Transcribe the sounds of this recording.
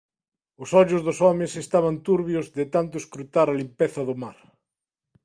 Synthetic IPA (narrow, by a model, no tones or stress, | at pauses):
ʊsɔʎʊzðʊsɔmɪsest̪aβ̞ant̪uɾβjʊzðɪt̪ant̪̬ʊeskɾut̪aɾɐlimpeθɐðʊmaɾ